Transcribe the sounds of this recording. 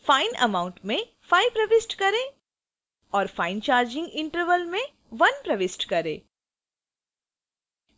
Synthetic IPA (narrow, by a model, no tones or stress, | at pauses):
faːɪnɐ̰mãːʊ̃ɳʈmẽ | faːɪpɾɐʋɪsʈkɐɾẽ | ɔːɾfaːɪnt͡ʃaːɾd͡ʒɪ̃ŋɡɪ̃ɳʈəɾʋəlmẽ | ʋɐnpɾɐʋɪsʈkɐɾẽː